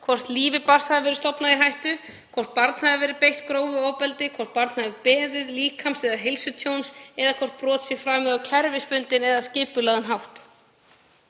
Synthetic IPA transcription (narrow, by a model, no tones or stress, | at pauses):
kʰvɔr̥t̪liːvɪpar̥saðɪvɛɾɪ̥st̪ɔpnaðiɦajht̪ʏ | kʰvɔr̥t̪̚paɾt̪n̥haðɪvɛːɾɪpejht̪kɾoːwvʏɔːwpɛlt̪ɪkʰvɔr̥t̪̚paɾt̪nhavɪpɛːðʏðliːkʰamsɛðaɦejlsʏt̪ʰjownsɛðakʰvɔr̥t̪̚pɾɔːt̪sjɛfɾaːmɛðawcʰɛɾvɪspʏnt̪ɪnɛðascɪːpʏlaːðɪnɦawht̪